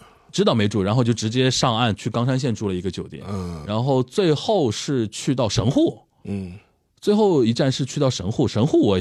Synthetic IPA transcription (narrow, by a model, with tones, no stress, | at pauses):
ʈ͡ʂɻ̩˥t̪ɑ˥˩ʊme˧˥ʈ͡ʂu˥˩ɻa˧˥nxo˥˧ʊt͡ɕjo˥˩ʊʈ͡ʂɻ̩˧˥t͡ɕjɛ˥ʂɑ˥˧ŋa˥˩nt͡ɕʰy˥˩kɑ˥ŋʂa˥nɕ̬jɛ˥˧nʈ͡ʂu˥˩lə˩i˧˥ɡə˧t͡ɕjo˨˩ʊt̪jɛ̰˨˦nɻa˧˥nxo˥˧ʊt͡swe˥˧ɪxo˥˧ʊʂɻ̩˥˧t͡ɕʰy˥˧t̪ɑ˥˩ʊʂɤ˧˥ŋxu˥˩˥ | t͡swe˥˧ɪxo˥˩ʊi˧˥ʈ͡ʂa˥˧nʂɻ̩˥˧t͡ɕʰy˥˧t̪ɑ˥˩ʊʂɤ˧˥ŋxu˥˩ʂɤ˧˥ŋxu˥˩wɔ˧˩